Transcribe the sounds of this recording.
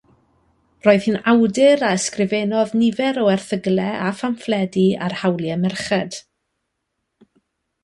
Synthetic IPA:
roːɨð̥hɨːnawdɪɾaɛskrɪvɛnɔðnɪvɛɾɔɛrθəɡlˠɛʔafamflˠɛdiarhawlˠjɛmɛrχɛd̥

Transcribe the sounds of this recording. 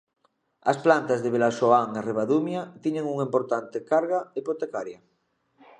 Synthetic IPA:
a̰splant̪azðeβ̞elasoaŋareβaðumjat̪iɲeŋuŋimpoɾt̪ant̪ekaɾɣaipot̪ekaɾja

